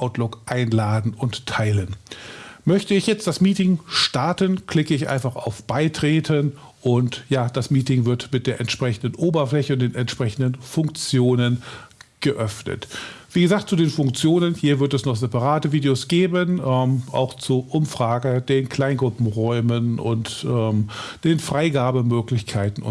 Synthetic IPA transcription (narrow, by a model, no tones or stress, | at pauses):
ʔaʊtlʊkʔaɪnlaːdn̩ʊntʰːaɪlən | mœçtəɪçjɛt͡st̚d̥asmiːtɪŋʃtaɐtənkʰl̥ɪkəɪçʔa̰ɪnfaχa̰ʊfb̥aɪtʁ̥eːtʰən | ʔʊntjaːd̥asmiːtɪŋvɪɐtmɪt̚d̥eːɐʔɛntʃpʁ̥ɛçn̩dən̩ʔoːbɐflɛçəʊnt̚d̥eːnɛntʃpʁ̥ɛçn̩dənfʊŋkt͡sjoːnənɡ̥əʔœfnə̰tv̥iːɡəzaːk̚t̚t͡sudeːnfʊŋk̚t͡sjoːnənhiːɐvɪɐtɛsnɔχz̥ɛpaʁaːtəviːdeosɡ̥eːbənʔɛmʔa̰ʊxt͡suɐʔʊmfʁ̥aːɡəd̥eːnkʰl̥aɪnɡʁʊpm̩ʁɔʏmənʊ̰ntʔɛːmd̥eːnfʁ̥aɪɡaːbəmøːklɪçkʰaɪtn̩ʊ̰